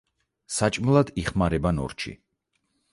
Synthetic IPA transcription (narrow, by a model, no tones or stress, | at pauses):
sat͡ʃʼmlˠad̪iχmaɾɛbanɔ̰ɾt͡ʃʰḭ